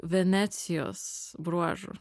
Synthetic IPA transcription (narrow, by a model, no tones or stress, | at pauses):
ʋʲɛnʲɛt̪sʲijo̰sbɾuɔʒʊ̰